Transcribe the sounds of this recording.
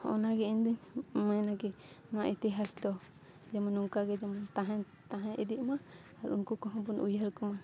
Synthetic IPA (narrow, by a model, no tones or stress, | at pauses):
ɔ̰naɡɛɛnd̪iɲmanakɛ | nɔwa̰ʔɛt̪ɛɦasd̪ɔ | d͡ʒamanuŋkaɡɛd͡ʒamant̪aɦa | t̪aɦãʔid̪iʔmaː | ɾṵnkɔkɔɦɔ̃bɔnujɦaɾkɔma